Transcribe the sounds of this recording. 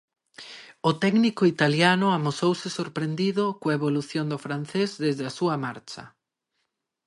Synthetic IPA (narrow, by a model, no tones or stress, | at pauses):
ʊt̪ɛɡnikʊit̪aljanʊamosowsɪsoɾpɾend̪iðʊkoeβoluθjond̪ʊfɾan̟θezðezðɪasuamaɾt͡ʃɐ̰